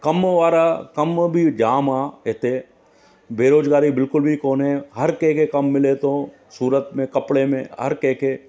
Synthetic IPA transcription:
kɐmʋaːɾakɐmbʱid͡ʒaːmaːɦeːt̪eː | beːɾoːd͡ʒɡaːɾibɪlkʊlbʱikoːnɦɛɦɐɾkekekɐmːɪlet̪õ | suːɾət̪mẽkɐpɽemḛ̃ɦɐ̰ɾkẽːke

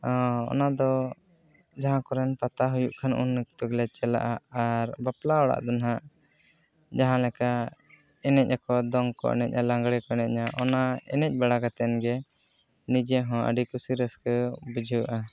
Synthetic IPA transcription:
ɔɔ̰nad̪ɔ | d͡ʒaɦãkɔɾɛnpat̪aɦujuʔkʰanṵnːkt̪ɔɡlɛt͡ʃɛla̰ʔaːɾbaplaɔɽa̰ʔd̪ɔnɦaʔ | d͡ʒaɦãlɛka | ɛnɛc̚ɲakɔd̪ɔŋkɔ̰ʔɛ̰nɛc̚ɲalaŋɡɽɛkɔɛnɛc̚ɲaʔɔnaɛ̰nɛc̚baɽakat̪ɛnɡɛ | nid͡ʒɛɦɔ̃ə̰ɖikusiɾəskəbəd͡ʒʱuwʔa

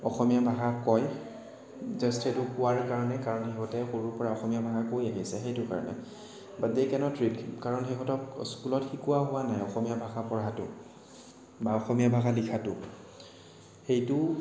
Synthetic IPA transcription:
ɔxɔmijabʱaɡakɔj | zɛstʰetʊkʊwaɹkaɹɔnɛkaɹɔnxeɦɔtɛxoɹupɔɹaɔxɔmijabʱaɡakojaɦisɛxejtʊka̰ɹɔ̰nɛ̰ | badejkɛnɔtʰɹitkaɹɔnxeɦɔtɔkskulɔtxikuwaɦʊwanajɔxɔmijabʱaɡapɔɹatʊ̰ | baɔxɔmijabʱaɡalikʰatʊ | xejtʊ

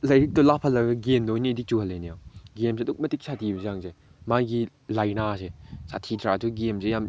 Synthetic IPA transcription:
lɐjɾik̚tɔlapʰɐlːɐɡɐɡemdojnidit͡ʃuhɐlːenijawɡemseduk̚mɐtik̚satʰibɐzaŋze | maɡi | lajnasesatʰitɾaduɡemzejam

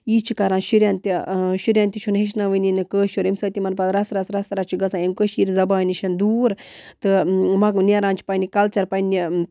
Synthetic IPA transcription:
iːt͡ʃʰikɐɾãːnʃiɾʲɐnt̪iʃiɾʲɐnt̪ʲit͡ʃʰunɦeʃ̬naʋɨnʲinɨkəːʃuɾimsɐːt̪imɐnpɐd̪ɾɐsɾɐsɾɐsɾɐt͡ʃʰiɡɐsãimkəʃiɾʲzɐbaːnʲiʃɐnd̪uːɾt̪ɨmɐknʲeɾaːnt͡ʃʰi̥pɐnʲikɐlt͡ʃɐɾpɐnʲi

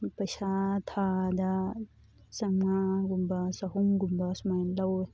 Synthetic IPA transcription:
pɐʃat̪ʰad̪a | sɐŋmãɡumbasɐɦumɡumbasmɐjnlɐw

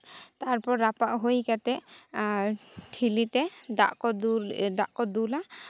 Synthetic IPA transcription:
t̪aɾpɔɾːapaʔɦojkat̪ɛʔ | ʈʰilit̪ɛd̪a̰ʔkɔdd̪aʔkɔd̪ula

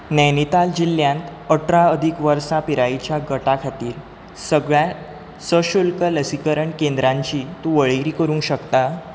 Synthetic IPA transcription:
nɛnit̪ald͡ʑilːjãnt̪əʈʰɾaəd̪ʱikʋəɾsapiɾajt͡ɕjaɡəʈakʰat̪iːɾ | səɡɭja | səɕulkələsikəɾəɳkend̪ɾãɲt͡ɕiːt̪ũʋəɭiɾiːkəɾũŋkɕəkt̪a

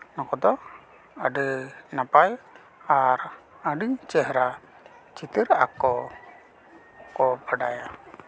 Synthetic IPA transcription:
nɔkɔd̪ɔ | əɖənapaj | aɾ | əɖit͡ʃɛɦɾa | t͡ʃit̪iɾa̰kɔ | kɔpəɖaja

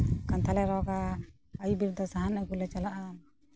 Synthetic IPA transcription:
kant̪ʰalɛɾɔɡa | əjubiɾd̪ɔsaɦanaɡulɛt͡ʃalaʔan

